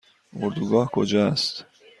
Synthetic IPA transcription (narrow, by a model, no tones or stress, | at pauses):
oɾd̪uɡɒːhkʰod͡ʒɒst̪